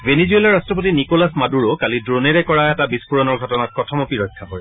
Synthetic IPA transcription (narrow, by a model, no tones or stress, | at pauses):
venizuelaɹastɹɔp̬otinikɔlasmaduɹokalidɹoneɹɛkɔɹaɛtabiskuɹɔnɔɹɡʱɔtɔnat̚kɔtʰɔmɔpiɹɔjkʰːakɔɹɛ